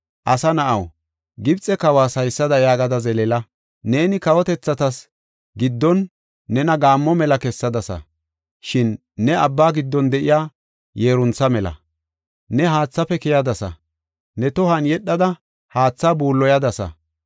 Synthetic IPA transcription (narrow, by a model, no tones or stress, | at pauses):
ʔɐsɐnɐʔɐw | ɡɪbt͡sʼɛkɐwaːsɐjsːɐd̪ɐjaːɡɐd̪ɐzɛlɛlɐ | ne̞ːnɪkɐwɔt̪ɛt͡sːɐt̪ɐs | ɡɪd̪ːɔnː | ɛnɐɡaːmːɔmɛlɐkɛsːɐd̪ɐsɐ̰ | ʃɪnː | ɛɐbːaːɡɪd̪ːɔnd̪ɛʔɪjaː | jeːɾʊnt͡sːɐmɛlɐ̰ | nɛɦaːt͡sːɐpɛkɛjɐd̪ɐsɐ̰ | nɛt̪ɔhɐnjɛɗːɐd̪ɐ | haːt͡sːaːbuːlːɔjɐd̪ɐsɐ̰